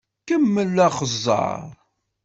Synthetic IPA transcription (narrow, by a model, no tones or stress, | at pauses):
kəmːəlːæχəzˤːɑ̰ɾˤ